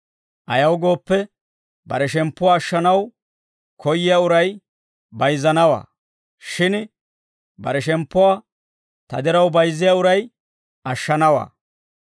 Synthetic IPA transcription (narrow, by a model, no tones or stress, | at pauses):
ʔɐjɐwɡo̞ːpːɛ | bɐ̰ɾɛʃɛmpːʊwaːʃːɐnɐw | kʰɔjːɪjaːʊɾɐj | bɐjzɐnɐwa̰ː | ʃɪn | bɐ̰ɾɛʃɛmpːʊwaː | t̪ɐ̰d̪ɛɾɐwbɐjzɪjaːʊɾɐj | ɐʃːɐnɐwa̰ː